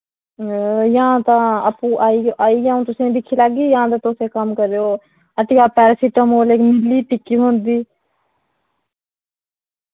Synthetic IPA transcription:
jãːt̪ãːəpũːʔaːiaːiːjaũːt̪ʊsĩb̪ɪkʰːiːlaːɡiːjãːt̪ãt̪oːseːkəmkəɾeːoː | əʈijaːpɛːɾsiʈəmoːleːkmɪliːpɪkːiːɦõːnd̪iː

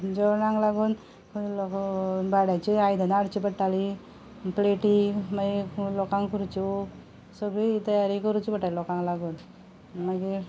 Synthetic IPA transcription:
d͡ʑɔnãŋɡlaɡuːn | klɔkbʱaɽat͡ɕiajd̪ʱanaɽt͡ɕipəɽʈali | pleʈimailɔkãŋkkʰuɾut͡ɕi | səɡɭit̪əjaɾikəɾut͡ɕipəʈaɾlɔkãŋklaɡuːn | maɡi

